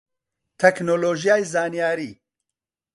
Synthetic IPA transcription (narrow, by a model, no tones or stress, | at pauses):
t̪ʰɛknoloːʒijaːjzaːnijaːɾiː